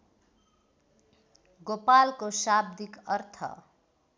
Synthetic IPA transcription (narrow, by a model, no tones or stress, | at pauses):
ɡopalkosab̚d̪ikʌrt̪ʰʌ̰